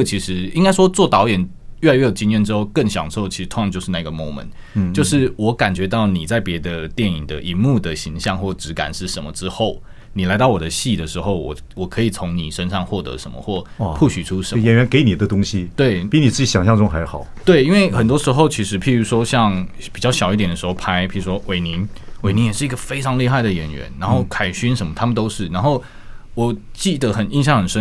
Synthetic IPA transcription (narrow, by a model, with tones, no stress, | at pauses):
t͡ɕʰi˧˥ʂɻ̩˧˥i˥ŋka˥ɪʂwɔ˥t͡swɔ˥˩t̪ɑ˧˥ʊjɛ˨˩n | ɥɛ˥˩a˧ɪɥɛ˥˩o˨˩t͡ɕi˥njɛ˥˩nʈ͡ʂɻ̩˥xo˥˧ʊkə˥˩nɕjɑ̰˨˩ŋʂɻ̩˥o˥˩ʊt͡ɕʰi˧˥ʂt̪ʰo˥jɑ˧ŋt͡ɕo˥˧ʊʂɻ̩˥˧na˥˩i˧˩ɡə˨mo˧˥ʊmə̰˨n | t͡ɕjo˥˧ʊʂɻ̩˥˩wɔ˧˥ka˨˩nt͡ɕɥɛ˧˥t̪ɑ˥˩ʊni˨˩t͡sa˥˩ɪpjɛ˧˥d̪ə˧t̪jɛ˥˩ni˨˩ŋd̪ə˩ʔi˧˥nmu˥˩d̪ə˩ɕi˧˥ŋɕjɑ˥˧ŋxwɔ˥˩ʈ͡ʂɻ̩˧˥ka̰˨˩nʂɻ̩˥˩ʂə˧˦nmə˧ʈ͡ʂɻ̩˥xo˥˩ʊ | ni˨˩la˧˥ɪt̪ɑ˥˩ʊwɔ˨˩d̪ə˦ɕi˥˩d̪ə˩ʂɻ̩˧˥xo˥˧ʊwɔ̰˨˩ | wɔ˨˩kʰɤ˧˥i˨˩t͡sʰo˧˥ŋni˨˩ʂə˥nʂɑ˥˧ŋxwɔ˥˩t̪ə̰˧˦ʂə̰˧˦mə̰˦xwɔ˥˩pʰu˥˩ɕy˨ʈ͡ʂʰu˥ʂə˧˦jɛ˨˩nɥɛ˧˥nke˧˥ɪni˨˩d̪ə˦t̪ʊ˥ŋɕi˦t̪we˥˩ɪpi˥ni˨˩t͡sɹ̩˥˩t͡ɕi˨˧˥ɕjɑ˨ŋɕjɑ˥˧ŋʈ͡ʂʊ˥ŋxa˧˥ɪxɑ˨˩˦ʊt̪we˥˩ɪi˥nwe˥˩ɪxə˨˩nt̪wɔ˥ʂɻ̩˧˥xo˥˩ʊt͡ɕʰi˧˥ʂɻ̩˧˥pʰi˨˩ɻu˧˥ʂwɔ˥ɕjɑ˥˧ŋ | pi˨˩t͡ɕjɑ˥˩ʊɕjɑ˨˩ʊi˥˩t̪jɛ˨˩nə˩ʂɻxo˥˧ʊpʰa˥ɪpʰi˨˩u˧˦ʂwɔ˥we˨˩ɪni˧˥˦nwe˨˩ɪni˧˥njɛ˨˩ʂɻ̩˥˩˧ɡ̥ə˧˨fe˥ɪʈ͡ʂʰɑ˧ŋli˥˧xa˥˩ɪd̪ə˩ɥɛ˨˩nɥɛ̰˧˦nna˧˥nxo˥˩ʊkʰa˨˩ɪɕy˥nʂə˧˥nmə˧t̪ʰa˥mə˨nt̪o˥ʊʂɻ̩˥˩na˧˥nxo˥˩ʊ | wɔ˨˩t͡ɕi˥˩d̪ə˦xə˨˩ni˥nɕjɑ˥˩ŋxə˨˩nʂə˥n